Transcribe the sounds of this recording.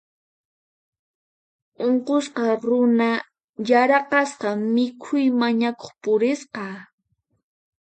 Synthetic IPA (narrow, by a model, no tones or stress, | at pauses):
oɴqosqɑɾʊna | jaɾɑqɑsqɑmɪkʰʊjmaɲakoχpʊɾɪsqɑ